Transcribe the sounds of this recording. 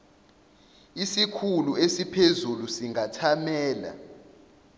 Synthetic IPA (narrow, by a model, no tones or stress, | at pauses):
isikʰuluesipʰezulusiŋʱatʰamɛːla̰